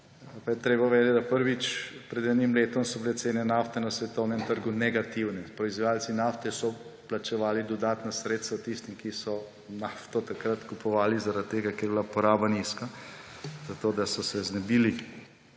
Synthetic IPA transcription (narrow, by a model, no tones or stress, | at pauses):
pajɛt̪ɾeːbaʋeːd̪ɛt̪ʲd̪apəɾʋit͡ʃpɾɛd̪ɛːnimleːt̪ɔmsɔbilɛt̪seːnɛnaft̪ɛnasʋɛt̪ɔwnɛmt̪əɾɡunɛɡat̪iwnɛpɾɔizʋajaːlt̪sinaft̪ɛsɔplat͡ʃɛʋaːlid̪ɔd̪aːt̪nasɾeːt̪st̪ʋat̪ist̪imkisɔ | naːft̪ɔt̪akɾat̪kupɔʋaːlizaɾat̪̚tːeːɡakeɾbilapɔɾaːbaniːska | zat̪oːd̪asɔsɛznɛbiːli